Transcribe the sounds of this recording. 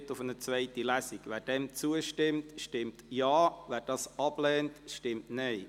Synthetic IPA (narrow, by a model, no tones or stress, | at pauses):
tʊfənət͡svɛɪtilæsiɡʋæːɾd̥ɛmt͡suəʃtɪmtʃtɪmtjaːʋæːɾd̥ɑsɑb̥lɛːntʃtɪmtnɛɪ